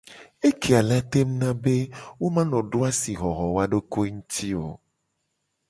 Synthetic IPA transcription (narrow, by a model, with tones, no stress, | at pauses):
e˦ke˨a˨la˦t̪e˦m˦nã˦be˦wo˦mã˦lɔ̃˨ɖo˦a˦si˨ɣɔ˨ɦɔ˨wa˦ɖo˦ko˦ŋũ˦t̪ʰi˦o˨